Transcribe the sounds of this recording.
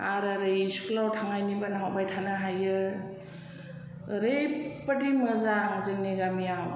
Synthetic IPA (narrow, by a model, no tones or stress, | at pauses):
aɾaɾɯjiskʰlawtʰaŋajnibanaɦawbajtʰanaɦajɯ | ɾɯjpədiŋmɯzaŋzɯŋniɡamijaw